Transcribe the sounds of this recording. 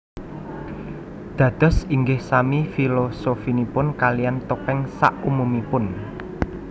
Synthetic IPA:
d̪̥ä̤d̪̥ɔ̤siŋɡɪhsamifilosofinipʊnkalijant̪opɛŋsa̰ʔumumipʊn

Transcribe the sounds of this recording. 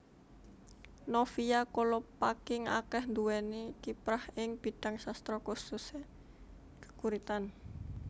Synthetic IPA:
nofiakolɔpakɪŋa̰kɛhnd̪uwɛnikipɾahɪŋb̥i̤t̪aŋsast̪ɾɔkususe | kə̥kuɾit̪an

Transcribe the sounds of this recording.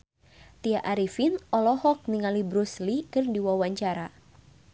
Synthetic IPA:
t̪iaʔaɾifinɔlɔhɔk̚niŋalibɾuslikɨrdiwawaɲt͡ʃaɾa

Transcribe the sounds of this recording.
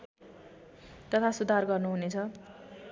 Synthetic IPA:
t̪ʌt̪ʰasud̪ʱarɡʌrnuɦunet͡sʰʌ

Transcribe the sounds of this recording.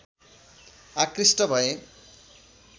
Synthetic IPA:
akrisʈʌbʱʌe

